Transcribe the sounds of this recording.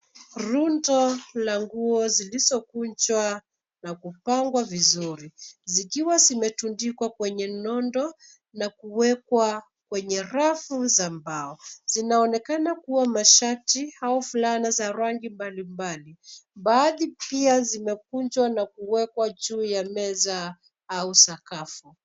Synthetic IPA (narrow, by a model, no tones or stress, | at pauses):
ɾundɔlaŋɡuɔzilizɔkuɲd͡ʒwa | nakupaŋɡwavizuɾizikiwazimɛtundikwakwɛɲɛnɔndɔ | nakuwɛkwa | kwɛɲɛɾafuzambaɔz̥inaɔnɛkanakuwamaʃatihaufulanazaɾaŋɡimbalimbalimbaðipiazimɛk̚uɲd͡ʒwanakuwɛkwad͡ʒuːjamɛza | ausakafu